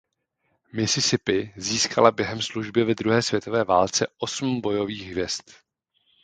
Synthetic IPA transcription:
mɪsɪsɪpɪziːskʰalabjɛɦɛmsluʒbjɛvɛd̪ɾuɦɛːsv̥jɛt̪o̞vɛːvaːlt͡sɛʔo̞sm̩bo̞jo̞viːɣɦvjɛst̪

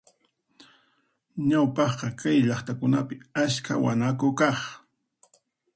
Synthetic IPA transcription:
ɲawpɑχqɑkajʎɑχt̪akʊnapɪaska̰wa̰nakokɑχ

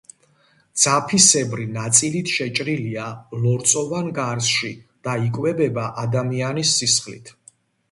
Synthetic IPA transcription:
d̪z̥apʰisɛbɾinat̪sʼilit̪ʰʃɛt͡ʃʼɾilialɔɾt̪sʼɔvanɡaɾsʃid̪̥aikʼwɛbɛbaʔad̪amianisːisχlḭt̪ʰ

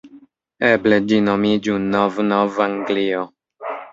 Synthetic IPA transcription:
ebled͡ʒinomid͡ʒunovnovaŋɡlio

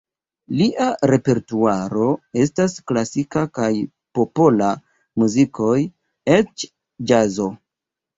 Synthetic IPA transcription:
liʔaɾe̞pe̞ɾtuaɾo̞e̞s̬tasklasikakaj | po̞pola | muzikʰo̞j | e̞t͡ʃ | d͡ʒazo̞

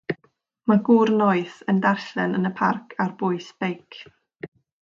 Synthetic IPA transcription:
maɡuːrnɔɨθəndarɬɛnənəpʰarkʰarb̥ʊɨsb̥ejkʰ

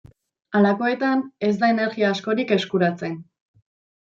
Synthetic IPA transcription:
alako̞e̞t̪ane̞zd̪ae̞ne̞ɾɣiaːsko̞ɾike̞skuɾat͡se̞n

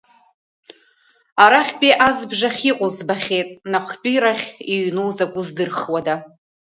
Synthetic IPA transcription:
aɾaχʲpʼiʔazbʐaχʲiqʼʊzbaχʲe̞jtʼnaqʷʰpʲʼiɾaχʲiɥnuwzakʷʼʊzdɨrχwada

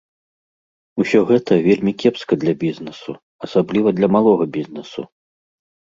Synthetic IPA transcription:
usʲɔɣɛt̪ɐvʲelʲmʲikʲɛpskɐd̪lʲɐbʲiznɛsṵ | ɐsablʲivɐd̪lʲɐmalˠɔɣɐbʲiznɛsṵ

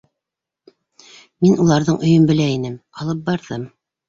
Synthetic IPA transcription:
minulˠɑɾðɤɴɵ̆jɵmbɘ̆læinɘmɑlˠɤp̚bɑɾðɤm

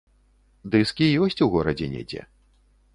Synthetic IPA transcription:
d̪ɨskʲijɔsʲt͡sʲuɣɔɾɐd͡zʲɛnʲɛ̰d͡zʲɛ̰

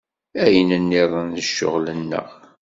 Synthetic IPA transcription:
æjənənːiðˤənðəʃːʊ̰ʁlənːə̰ʁ

